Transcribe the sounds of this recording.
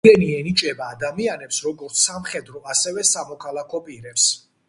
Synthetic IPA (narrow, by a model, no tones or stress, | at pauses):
ɛniɛnit͡ʃʼɛbaːd̪amianɛpsɾɔɡɔɾt̪sʰamχɛd̪ɾɔasɛvɛsamɔkʰalˠakʰɔpʼiɾɛps